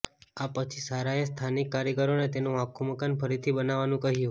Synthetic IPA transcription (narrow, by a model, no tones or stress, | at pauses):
apət͡ʃʰisaɾaest̪ʰanikːaɾjəkəɾonet̪enũakʰuməkanfʰəɾit̪ʰibənaʋanũkəɦijũ